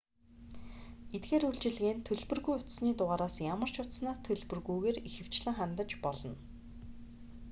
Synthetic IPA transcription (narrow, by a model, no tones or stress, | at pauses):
et̪̚ɡeːɾuɮt͡ɕɪ̆ɮɣeːnt̪ʰɵɮpɵ̆rɣujʊt̪sniːt̪ʊʁaːɾaːsjamə̆r̥t͡ɕʰʊt̪snaːst̪ʰɵɮpɵ̆rɣujɣeːrixɘ̆w̥t͡ɕɮɘ̆ŋχant̪ə̆t͡ɕpɔɮɞ̆n